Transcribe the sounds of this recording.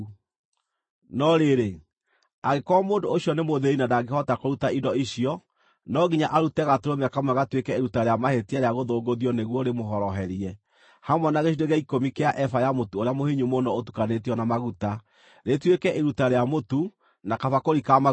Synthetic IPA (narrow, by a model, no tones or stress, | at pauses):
nɔɾeɾe | aɣekwamoːndoːɕiɔnemoðeinadaɡehɔtakoɾutaidɔiɕiɔ | nɔɣiɲaʔaɾutɛɣatoɾomeakamwaɣatwekɛeɾutaɾeamahetiaɾeaɣoðoːɡoðiɔneɣwɔɾemoɦɔɾɔɦɛɾiɛ | hamwɛnaɣeʃideɣaikomikeaʔɛfajamotuoɾeamohiɲumonɔotu̥kanetiɔnamaɣuta | ɾetwekɛʔeɾutaɾeamotu | nakafakoɾikama